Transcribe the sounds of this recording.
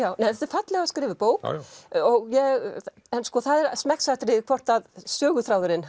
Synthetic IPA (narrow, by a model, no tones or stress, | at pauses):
jaːwneθɛt̪ɪɾfat̪lɛɣaskɾɪːvɪpoːwkɔɣjɛɣ | ɛnskɔθaðɛɾsmɛksat̪ɾɪðɪkʰvɔr̥t̪aðsœːɣʏθɾawðʏɾɪn